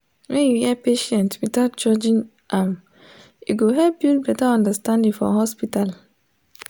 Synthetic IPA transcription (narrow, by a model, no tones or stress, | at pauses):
wɛ̃njuhiɛpeʃɛ̃ntwidat̚d͡ʒɔd͡ʒĩn | ʔam | juɡoɦɛlp̚bibɛtaɔ̃ndəstãndĩŋfɔ̰ɦɔspital